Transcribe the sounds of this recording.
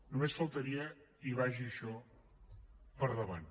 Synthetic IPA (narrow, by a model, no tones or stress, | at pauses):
numesfəlˠt̪əɾiə | iβaʒiəʃɔ | pəɾðəβan